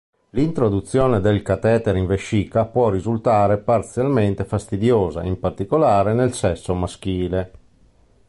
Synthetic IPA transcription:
lint̪ɾod̪ut̪sːjoːned̪elkat̪ɛːt̪eɾiɱveʃːikapwɔrizult̪aːɾepart̪sjalment̪efast̪id̪joːza̰impart̪ikolaːɾenelsɛsːomask̟iːle

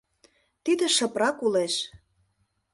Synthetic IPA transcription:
t̪id̪ĕʃə̆pɾɑkuleʃ

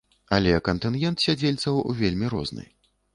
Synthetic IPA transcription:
ɐlʲɛkɐnt̪ɨnɣʲɛnt̪sʲad͡zʲelʲt̪sɐwuvʲelʲmʲiɾɔ̰znɨ̰j

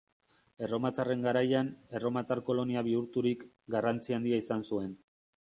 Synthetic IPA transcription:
e̞ro̞mat̪are̞ŋɡaɾajane̞ro̞mat̪aɾko̞lo̞niaβ̞iuɾt̪uɾik | ɡarant͡siand̪iaisansue̞n

